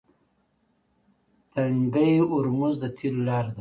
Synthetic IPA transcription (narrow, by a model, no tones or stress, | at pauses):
t̪aŋɡəjʊɾmuzd̪ət̪ʰilolɑːɾd̪a